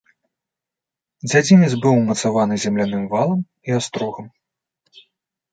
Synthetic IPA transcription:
d͡zʲad͡zʲimʲizbɨwmɐt̪savanɨzʲɛmlʲanɨmvalˠɐm | iast̪ɾɔɣɐm

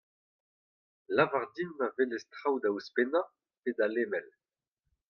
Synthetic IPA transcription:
lavaʁd̪inmavelɛstχawd̪auspena | pedaleːmɛl

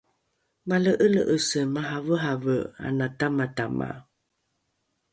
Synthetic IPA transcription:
maləʔələʔəsəmaɦavəɦavəa̰natamatama̰

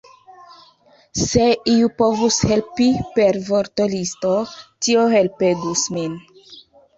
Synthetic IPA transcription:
seiupovushelpipeɾvoɾtolistotiohelpeɡusmin

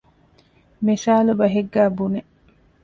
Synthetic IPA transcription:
misaːlubɐɦeɡːæːbune

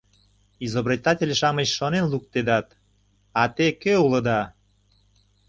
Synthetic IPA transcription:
izobrʲit̪ɑtʲelʲʃɑməɕʃonenluk̚t̪ed̪ɑt̪ | ɑt̪ekøulə̆d̪ɑ

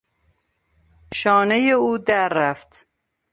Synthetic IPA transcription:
ʃɒːnejeuːd̪æɾːæft̪

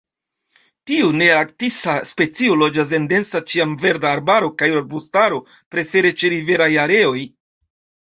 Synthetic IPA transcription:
tiune̞ak̚tisaspe̞t͡siolo̞d͡ʒas̬e̞nde̞nsat͡ʃiamve̞ɾdaːɾbaɾo̞kajɾoɾbustaɾo̞ | pɾe̞feɾe̞t͡ʃe̞ɾive̞ɾajaɾe̞o̞j

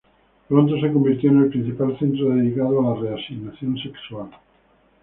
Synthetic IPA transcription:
pɾont̪os̬ekombiɾt̪joenelpɾin̟θipalθẽnt̪ɾoðeðikað̞oalareasiɣnaθjõnsekswal

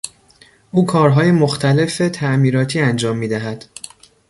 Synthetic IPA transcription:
ʔuːkʰɒːɾɦɒːjemoxt̪ʰæle̞fet̪ʰæʔmiːɾɒːt̪ʰiːænd͡ʒɒːmːiːd̪æɦæd̪̥

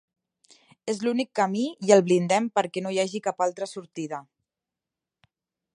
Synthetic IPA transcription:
ezlunikːəmijəlˠβlind̪ɛmpəɾkɛnoijaʒikapalˠt̪ɾəsuɾt̪iðə

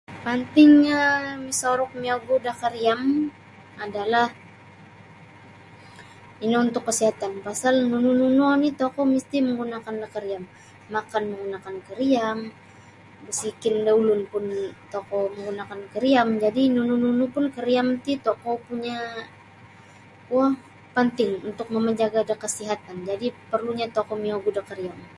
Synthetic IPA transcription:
pant̪ɪŋɲamisaɾɔk̚miaɡudakaɾiam | adalah | inaunt̪ʊkːəsiɦat̪anpasalnunununonit̪ɔkɔmist̪iməŋɡunakandakaɾiamː | akanməŋɡunakankəɾiam | bəsikɪndaulʊnpʊnt̪okɔməŋɡunakankəɾiamd͡ʒadinunununupʊnkəɾiamt̪it̪okɔpuɲa | wah | pənt̪ɪŋunt̪ʊk̚məməɲd͡ʒaɡadəkəsiɦat̪and͡ʒadipərluɲat̪okɔmioɡudakəɾiam

